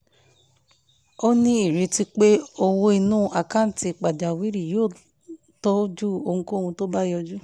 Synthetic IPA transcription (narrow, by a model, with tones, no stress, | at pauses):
o˦nĩ˦i˦˨ɾi˨˦ti˦k͡pe˦o˧wo˧i˧nũː˦ʔa˨kã˨˦n̩˨˦ti˧˨k͡pa˨d͡ʒa˨wi˨˦ɾi˨joː˦˨ | tɔ˦d͡ʒu˦o˧hũ˧ko˦˨hũ˧to˦ba˦jɔ˧d͡ʒu˦